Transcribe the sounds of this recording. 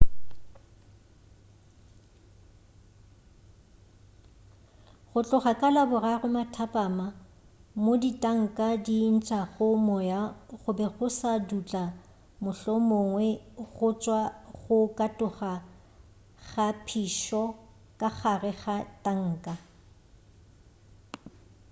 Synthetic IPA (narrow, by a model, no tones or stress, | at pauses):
ɣʊt͡ɬʼʊχakʼalabʊrarʊmatʰapʼaːma | moditʼaŋ̩kʼadin̩t͡ʃʼaɣʊmɔjaɣʊbɛɣʊsadut͡ɬʼa | mʊɬɔmoŋwɛɣʊt͡ʃʼwaɣʊkʼatʼʊχa | ɣapʰiʃɔ | kʼaχarɛɣatʼaŋ̩ːkʼa